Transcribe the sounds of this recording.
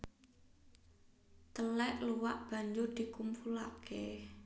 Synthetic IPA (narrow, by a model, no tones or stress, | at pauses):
t̪əlɛʔluwaʔb̥a̤ɲd͡ʒʊrd̪̥i̤kumpulakʰe